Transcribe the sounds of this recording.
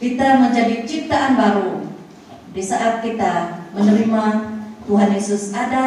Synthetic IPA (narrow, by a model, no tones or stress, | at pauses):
kit̪aməɲd͡ʒadit͡ʃit̪aʔanbaɾu | disaʔat̪̚kit̪amənəɾimat̪uɦanjesusada